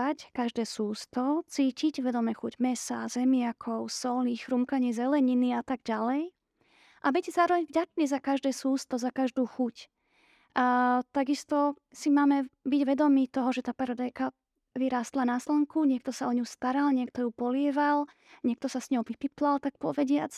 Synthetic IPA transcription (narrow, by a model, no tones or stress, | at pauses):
ackaʒd̪ɛːsuːst̪ɔt͡siːciɟʋɛd̪ɔmɛxuɟmɛsaːzɛmɪakʰɔʊsɔlnixxɾumkaɲɪɛzɛlɛɲiniat̪aɡ̚ɟalɛj | ʔabiɟzaːɾɔʋɛɲvɟat͡ʃɲɛzakaʒd̪ɛːsuːst̪ɔzakaʒd̪uːxuc | t̪aɡist̪ɔ | simaːmɛbiɟʋɛd̪ɔmiːt̪ɔɦɔʒɛt̪aːpaɾɔd̪ajka | ʋiɾaːst̪lanaslɛŋkuɲɪɛkt̪ɔsaɔɲust̪aɾalɲɪɛk̚t̪ɔjupɔlɪɛʋal | ɲɪɛk̚t̪ɔsasɲɔʊʋipip̪lalt̪ak̚pɔʋɛɟɪat͡s